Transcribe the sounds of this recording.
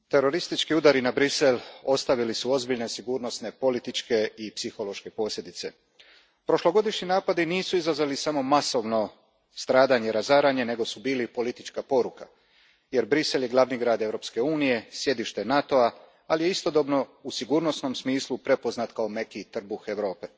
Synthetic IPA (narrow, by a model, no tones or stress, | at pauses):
t̪e̞ɾo̞ɾist̪it͡ʃkiud̪aɾinabɾise̞lo̞st̪aʋilisuo̞zbiʎne̞siɡuːɾno̞sne̞po̞lit̪it͡ʃke̞ipsixo̞lˠo̞ʃke̞po̞ːsʲlʲje̞d̪it̪se̞ | pɾo̞ʃlo̞ɡo̞d̪iʃɲinaːpad̪iniːsuizazʋalisamo̞maso̞ʋno̞ | st̪ɾaːd̪aɲeɾazaːɾaɲe̞ne̞ɡo̞subiːlipo̞lit̪it͡ʃkapo̞ɾuka | je̞ɾbɾise̞lje̞ɡlˠaʋniɡɾaːd̪e̞ʋɾo̞pske̞uːnije̞sje̞d̪iʃt̪e̞nat̪o̞a | alije̞ist̪o̞d̪o̞bno̞usiɡuːɾno̞sno̞msmiːslˠupɾe̞po̞znat̪kaome̞kit̪r̩buxe̞ʋɾo̞ːpe̞